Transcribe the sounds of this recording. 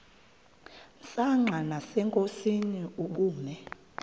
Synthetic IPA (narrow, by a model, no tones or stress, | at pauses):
saŋ͡ǁʱanasɛŋkʼosiniuk̬uːmɛ